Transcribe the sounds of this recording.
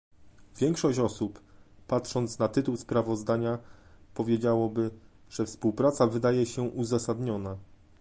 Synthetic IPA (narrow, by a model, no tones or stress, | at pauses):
vʲjɛŋkʂɔɕt͡ɕɔsupːatʂɔnt̪snat̪ɘt̪uwspɾavɔzd̪aɲapɔvʲjed͡ʑawɔbɘ | ʐ̥ɛfspuwpɾat̪savɘd̪ajɛɕɛʔuzasad̪ɲɔna